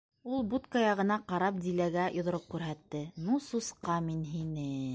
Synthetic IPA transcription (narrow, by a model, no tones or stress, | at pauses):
ulˠbut̪kajɑʁɤ̆nɑqɑɾɑp̚d̪ilæɡæjʔŏðŏɾɤp̚kʉɾɦæt̪ːɘnususqɑminɦinɘ